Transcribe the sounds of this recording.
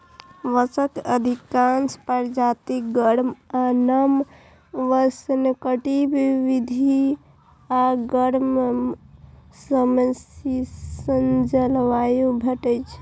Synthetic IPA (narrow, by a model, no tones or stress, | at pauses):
ʋəsəkəd̪ʱikanspəɾd͡ʒat̪ik̚ɡəɾmanəm | ʋəsnkəʈibiʋid̪ʱi | aɡəɾm | səməsisənd͡ʒəlʋajubʱəʈəjt͡ʃʰ